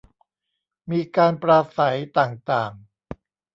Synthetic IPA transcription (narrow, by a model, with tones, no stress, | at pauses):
miː˧kaː˧npɾaː˧sa˩˦jt̪aː˨˩ŋt̪aː˨˩ŋ